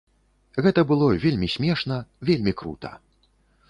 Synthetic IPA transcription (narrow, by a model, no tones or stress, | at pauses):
ɣɛt̪ɐbɨlˠɔvʲelʲmʲisʲmʲɛʂnɐvʲelʲmʲikɾṵt̪ɐ̰